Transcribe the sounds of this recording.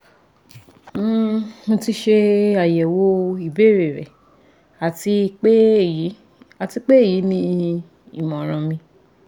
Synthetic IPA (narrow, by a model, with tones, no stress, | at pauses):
ũ˧ti˧ʃe˧a˨jɛ˨wo˧i˨be˨˦˨ɾe˨ɾɛ˨ | a˨ti˧˦˨ | a˨ti˧k͡pe˦˨ji˨˦nĩ˧ | ḭ˦˨mɔ̃˨ɾ̃ã˧mĩ˧